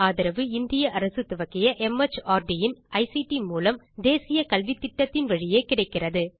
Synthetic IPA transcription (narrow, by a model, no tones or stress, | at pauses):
aːðɪɾɐʋɯɪnd̪ɪjɐʔɐɾɐsɯt̪ːʊʋɐkːɪjɐʔɛmɛt͡ʃːaːɾɖijɪnɐɪsiʈimuːlɐm | d̪eːsɪjɐkɐlʋɪt̪ːɪʈːɐt̪ːɪnʋɐɻɪjeːkɪɽɐɪkːɪrɐðɯ